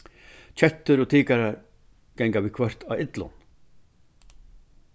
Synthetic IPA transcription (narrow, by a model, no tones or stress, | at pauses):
t͡ʃʰɛt̪ːʏɾɔt̪ʰiːkaɾaɾ | kɛŋkavikʰvœr̥t̪aɪt̪lʊ̰n